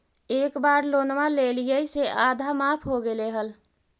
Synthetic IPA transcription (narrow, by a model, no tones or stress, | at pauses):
ekbaɾlonmalelijəjseʔad̪ʱamapʰɦoɡeleɦəl